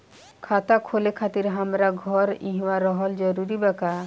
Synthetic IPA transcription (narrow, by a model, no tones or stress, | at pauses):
kʰat̪akʰolekʰat̪iɾɦamɾaɡʱɔɾḭ̃ɦwaɾɔɦɔld͡ʒɔɾuɾibɛka